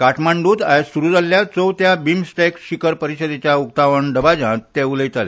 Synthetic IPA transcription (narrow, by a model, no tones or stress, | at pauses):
kaʈʰmaɳɖuːt̪ajsuɾuːd͡zaljat͡sowt̪jabimsʈekɕikəɾpəɾiɕəd̪et͡ɕjaukt̪aʋəɳɖəbad͡ʑãt̪eʋuləjt̪ale